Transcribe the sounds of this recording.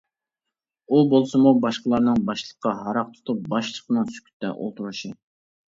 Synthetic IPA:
ubolˠsɨmubɑʃqəlˠɑɾnɨŋbɑʃlˠə̥qʰːɑɦɑɾɑq̚t̪ʰʊ̥t̪ʰup̚bɑʃlˠəqnɨŋsy̥kʲʰy̥t̪d̪ɛ̰ʔo̰lˠt̪ʰuɾuʃɪ

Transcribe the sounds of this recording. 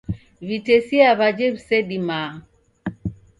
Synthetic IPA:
βitɛsiaβad͡ʒɛβisɛɗima

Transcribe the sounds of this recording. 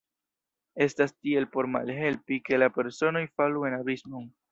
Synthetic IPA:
e̞stastie̞lpo̞ɾma̰lɦe̞lpike̞lape̞ɾso̞no̞jfalue̞nabismoŋ

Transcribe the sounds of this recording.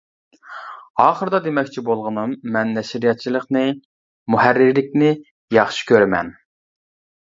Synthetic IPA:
ɑːχəɾɨd̪ɑd̪emɛkʲt͡ʃʰibolˠʁənɨmːɛnːɛʃiɾijɑt̪̚t͡ʃʰilˠəqnɨ | muhæɾːɪɾlɪk̚ʲnɪ | jɑχʃi̥kʲøɾɪmɛ̰n

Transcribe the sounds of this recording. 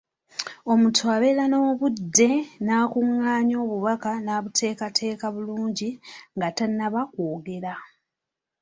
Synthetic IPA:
o̞mutʰwaβe̞lano̞ːβudːe̞naːkuŋːaːɲo̞ːβuβakanaːβutʰe̞ːkatʰe̞ːkaβuluːɲɟiŋɡatanːaβakwoːɡe̞ɾa

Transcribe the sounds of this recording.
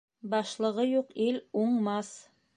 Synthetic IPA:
bɑʃlˠɤ̆ʁɤjuqiluɴmɑs

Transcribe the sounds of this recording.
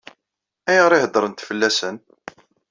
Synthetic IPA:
æjʁɾˤɪhəd̪ɾˤənt̪fəlːæsən

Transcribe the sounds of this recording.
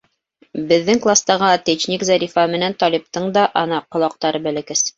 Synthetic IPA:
bɘ̆ðːɘŋklˠast̪ɑʁɑt̪ɘt͡ɕnʲikzɑɾʲifɑmɘ̆nænt̪ɒlʲip̚t̪ɤɴd̪ɑʔɑnɑqŏlˠɑq̚t̪ɑɾɤbælɘ̆kɘs

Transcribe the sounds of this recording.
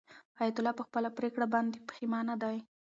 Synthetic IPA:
ɑjat̪ʊlɑpəxpəlapɾekɽabɑnd̪epə̥ximɑnad̪aj

